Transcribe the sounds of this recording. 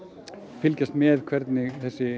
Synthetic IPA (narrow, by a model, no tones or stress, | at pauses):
fɪlcast̪mɛðkʰvɛɾt̪nɪθɛsːɪ